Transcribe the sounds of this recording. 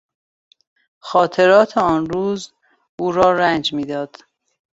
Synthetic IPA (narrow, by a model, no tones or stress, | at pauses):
xɒːt̪ʰe̞ɾɒːt̪ʰeɒːnɾuːz | uːɾɒːɾænd͡ʒmiːd̪ɒːd̪̥